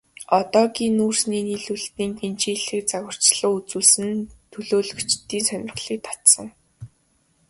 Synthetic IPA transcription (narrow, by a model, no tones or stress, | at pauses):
ɔt̪ɔːɡiːnːuːrsniːniːɮuɮt̪iːŋɡent͡ɕiːɮɘ̆k̚t͡saɣə̆r̥t͡ɕɮ̥ə̆ːut͡suːɮsɘ̆nt̪ʰɵɮoːɮɵ̆t͡ɕt̪ːiːnsœnʲɪ̆rχɮiːk̚t̪ʰḁt̪sə̆ŋ